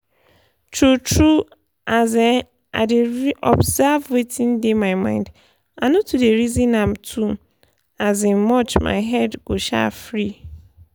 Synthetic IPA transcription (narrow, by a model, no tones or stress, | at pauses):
tʰɹutʰɹu | ʔazɛ | a̰ɪdɪɹiʔɔbzavwetʰĩndemaɪmã̰ɪ̃nd | anotʰudeɹizĩnãm̩tʰu | azɪ̃nmɔt͡ʃma̰ɪɦɛdɡ̥oʃa̰fɹi